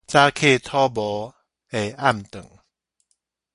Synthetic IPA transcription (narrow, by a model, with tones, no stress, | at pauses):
t͡sa˦kʰe˥˨t̪ʰɔ˦bɔ˨˦ | e˨˩˨a˥˨mt̪ɨ̰˨˩˨ŋ